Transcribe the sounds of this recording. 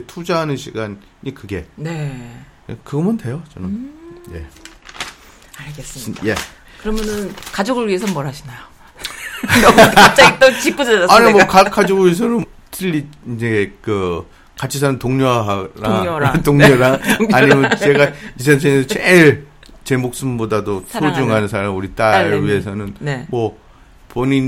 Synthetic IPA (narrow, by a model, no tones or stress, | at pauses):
tʰud͡ʑaɦanɯnɕʰiɡan | ɲikɯɡe̞ne | ekɯɡʌmʌnte̞jot͡ɕʌnɯje̞̰ | aɡes͈je | kɯɾʌmjʌnɯnkad͡ʑoɡɯɭɥie̞s̬ʰʌmʌɾɦaɕʰinajo | nʌt͡ɕ͈aɡit͈ot͡ɕik͈ud͡ʑʌaaɲimwokakad͡ʑiɡois̬ʰʌɾɯ | tiʎːiind͡ʑekɯ | kat͡ɕʰis̬ʰanɯntoŋɲoɦaɾatoŋɲoɾaaɲɲimʌnt͡ɕe̞ɡais̬ʰʌns̬ʰeŋesʰʌt͡ɕeɭt͡ɕe̞mok̚s͈ɯmbodadosʰod͡ʑuŋɦanɯnsʰaɾamuɾit͈aɾɥie̞sʰʌnɯnnemʌ | poɲin